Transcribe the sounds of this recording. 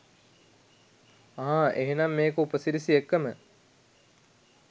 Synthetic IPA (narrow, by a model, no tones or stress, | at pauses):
aɦãʔeɦenɐmːeːkəupəsiɾisiekːəmə